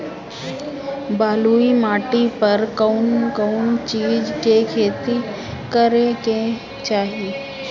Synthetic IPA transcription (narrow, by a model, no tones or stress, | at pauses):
baːluimaːʈipəɾkonkoːnt͡ʃiːd͡ʒkekʰeːt̪i | kəɾekẽ | t͡ʃaːɦie